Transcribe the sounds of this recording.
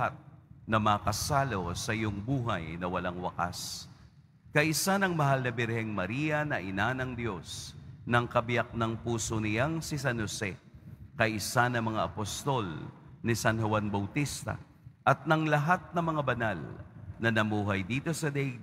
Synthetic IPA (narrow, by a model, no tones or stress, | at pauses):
at̪̚nɐmɐkɐsaːlosɐʔɪjoŋbuːɦɐjnɐwɐlaŋwɐ̰ka̰s | kɐʔɪsanɐŋmɐɦalnɐbɪɾhɛŋmɐɾiːjɐnɐʔɪnanɐŋd̪jo̞snɐŋkɐbɪjak̚nɐŋpuːsonɪjaŋsɪsɐnhosɛkɐʔɪsanɐŋmɐŋaʔɐpost̪o̞lnɪsɐnhʊwanbɐwt̪ist̪ɐ̰ | ʔɐt̪̚nɐŋlɐɦat̪̚nɐŋmɐŋabɐnalnɐnɐmuːɦɐjd̪iːt̪o̞sɐd̪ɛ